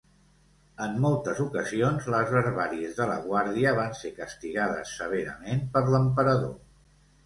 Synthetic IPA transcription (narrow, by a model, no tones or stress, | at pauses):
əmːolˠt̪əzukəzionzləzβəɾβaɾiəzðələ̰ɣwaɾðiəβ̞ansekəst̪iɣaðə̰sːəβ̞eɾə̰menpəɾləmpəɾəðo̰